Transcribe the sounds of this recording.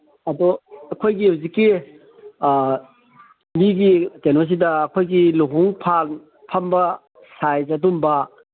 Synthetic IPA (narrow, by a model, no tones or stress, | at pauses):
ɐdɔɐkʰojɡihawzikːi | miɡitenos̬idɐːkʰojɡiluɦuŋpʰal | pʰɐmbɐ | sajzadumbɐ